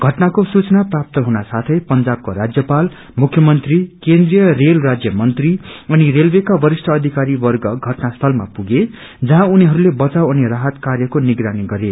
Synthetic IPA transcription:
ɡʱʌʈnakosut͡sʌnaprap̚t̪ʌɦunasat̪ʰʌjpʌnd͡zab̚koɾad͡zjʌpal | mukʰjʌmʌnt̪rikend̪rijʌrelrad͡zjʌmʌnt̪riʌnirelbekabʌɾisʈʰʌːd̪ʱikaɾibʌrɡʌɡʱʌʈnast̪ʰʌlma̰puɡe | d͡zʌɦãuniɦʌɾulebʌt͡sawʌneraɦʌt̪karjʌkoniɡɾaniɡʌɾe

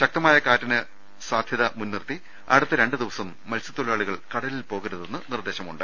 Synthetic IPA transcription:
ɕɐk̚t̪ɐmaːjɐkaːtːɐnɨ | saːd̪ʱjɐðɐmunːirt̪i | ɐ̰ɽɨt̪ːɐɾe̞ɳɖɨd̪iʋɐsɐmːɐlsu̥t̪ːolaːɭiɣɐɭkɐɽɐlilpo̞ːɣɐɾuðe̞nːɨnird̪e̞ːɕɐmuɳɖɨ

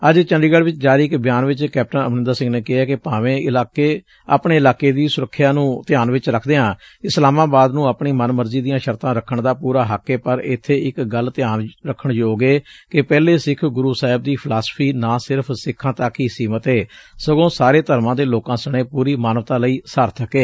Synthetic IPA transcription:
əd͡ʒt͡ʃə̃nɖiːɡəɽʋɪt͡ʃd͡ʒaːɾiːɪkbɪjaːnʋɪt͡ʃkɛːp̚ʈənə̰mnɪnd̪əɾsɪ̃ŋɡneːkɪɦaːkɪpaːʋẽːɪlaːkeː | a̰ːpɳeːɪlaːkeːd̪iːsʊɾəkʰːjaːnũːt̪ɪjaːnʋɪt͡ʃɾəkʰd̪eːɦãːɪslaːmãːbaːd̪nũːəpɳiːmənməɾziːd̪ɪjãːʃəɾt̪ãːɾəkʰːəɳd̪aːpuːɾaːɦəkːeːpəɾɪ̰t̪ʰːeːɪkɡəlt̪ɪjaːnɾəkʰːəɳjoːɡeːkɪpɛːleːsɪkʰɡʊɾuːsaːɦɪb̚d̪iːpʰɪlaːspʰiːnaːsɪɾpʰsɪkʰːãːt̪aːkiːsiːmət̪ɦeːsəɡõːsaːɾeːt̪əɾmãːd̪eːloːkãːsəɽ̃eːpuːɾiːmaːnəʋət̪ãːləiːsəːɾt̪ʰəkeː

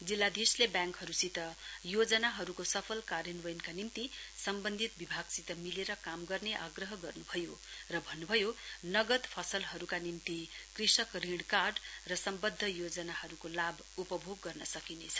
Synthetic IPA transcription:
d͡zilːad̪islebjaŋkhʌɾusit̪ʌjod͡zʌnaɦʌɾukosʌpʰʌlkaɾjʌnwʌjnkanint̪isʌmbʌnd̪ʱit̪̚bibʱaɡsit̪ʌmileɾʌkamɡʌrneʔaɡrʌɦʌɡʌrnubʱʌjorʌbʱʌnːubʱʌjonʌɡʌd̪pʰʌsʌlɦʌɾukanint̪ikrisʌkriɽkarɖrʌsʌmbʌd̪ʱːʌjod͡zʌnahʌɾukolab | upʌbʱoɡːʌrnʌsʌkinet͡sʰʌ̥

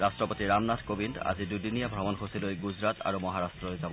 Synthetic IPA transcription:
ɹastɹɔpotiɹamnatʰkobinda̰zidudinijabʱɹɔmɔnxosilojɡuzɹatʰa̰ɹumɔɦaɹastɹɔojzabɔ

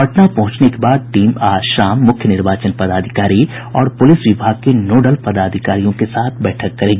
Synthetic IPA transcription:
ɐʈnapɐɦʊ̃t͡ʃnekebaːd̪̚ʈiːmaːʃaːmːʊkʰjənɪɾbaːt͡ʃənpɐd̪aːd̪ʱɪkaːɾi | ɔːɾpʊlɪswʋʊbʱaːɡ̚kenoːɖəlpɐd̪aːd̪ʱɪkaːɾijõkesaːt̪ʰbɛːʈʰəkːɐɾẽːɡiː

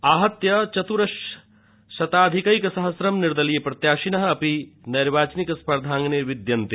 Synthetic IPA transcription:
aːɦɐt̪jɐt͡ʃɐt̪uɾɐʃ | ʃɐt̪aːd̪ʱikɐikɐsɐɦɐsɾɐmnɪɾd̪ɐlijepɾɐt̪jaːʃinɐɦɐ̆ɐpinɐɾʋaːt͡ʃnikɐspɐɾd̪ʱãːŋɡneʋɪd̪jɐnt̪i

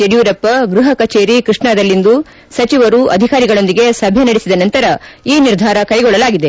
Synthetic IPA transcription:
eɽijuːɾɐpːɐɡɾuɦɐkɐt͡ʃeːɾikɾuʂɳad̪ɐlːind̪u | sɐt͡ʃiʋɐɾuʔɐd̪ʱikaːɾiɡɐɭo̞nd̪iɡe̞sɐbʱjɐnɐɽisid̪ɐnɐnt̪ɐɾɐiːniɾd̪ʱaːɾɐkɐjɡɔɭːɐlaːɡid̪e̞

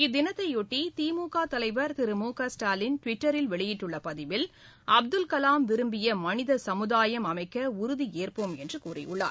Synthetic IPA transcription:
ɪd̪ːɪnɐt̪ːɐɪɔʈːit̪iːmuːkaːt̪ɐlɐɪʋɐɾt̪ɪɾɯmuːkasʈaːlɪnʈʋɪʈːɐɾɪlʋɛɭɪjɪʈːɯɭːɐpɐðɪʋɪl | ʔɐb̚d̪ɯlkɐlaːmʋɪɾɯmbɪjɐmɐnɪðɐsɐmɯðaːjɐmɐmɐɪkːɐʊɾʊðieːrpomɛndrɯkuːrɪ̰jʊ̰ɭːa̰ːɾ

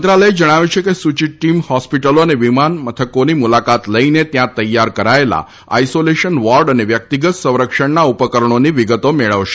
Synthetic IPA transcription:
ənt̪ɾaləed͡ʒəɽ̃aʋjut͡ʃʰekesut͡ʃiʈːimhɔspiʈəloəneʋimanmət̪ʰəkonimulakat̪ləinet̪jãt̪əjːaɾkəɾaela̰ | a̰isoleʃənʋɔɾɖəneʋjək̚t̪iɡət̪sə̃w̃ɾəkʃəɳnaupəkəɾəɳ̃oniʋiɡət̪omeɭəʋʃe̥

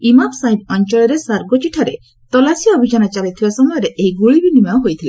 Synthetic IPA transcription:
imamsaɦib̪̚ɔɲt͡ʃɔɭɔɾesaɾɡɔt͡ʃiʈʰaɾḛ | t̪ɔlasijɔːbʱid͡ʒanat͡ʃaɾit̪ʰibasɔmɔjɔɾeʔeɦiɡuɭibinimaɔɦojt̪ʰile

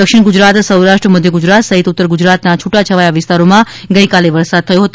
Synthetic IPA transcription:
d̪əkʃɪɳ̃ɡud͡ʒɾat̪səwɾaʃʈɾəməd̪ʱjəɡud͡ʒɾat̪səɦit̪ut̪ːəɾɡʊd͡ʒɾat̪nat͡ʃʰuʈat͡ʃʰəʋajaʋɪst̪aɾomã | ɡəjikaleʋəɾsad̪̚t̪ʰəjoɦət̪o

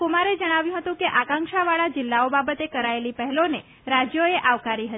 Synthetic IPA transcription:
kumaɾed͡ʒəɽ̃aʋjũɦət̪ũkeʔakãŋkʃaʋaɭad͡ʒɪlːaobabət̪ekəɾaelipəɦɛlone | ɾad͡ʒjoeʔaʋkaɾiɦət̪i

